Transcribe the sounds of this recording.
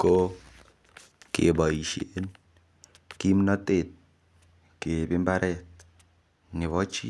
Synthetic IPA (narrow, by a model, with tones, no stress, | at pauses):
ko˦ | kḛ˨ba˨i˨ʃe˦n | ki˦mnɔ˦te˨t̚ | ke˨bi˦mba˦ɾʔɛ˦˨t̚ | ni˨βɔ˦t͡ʃi˦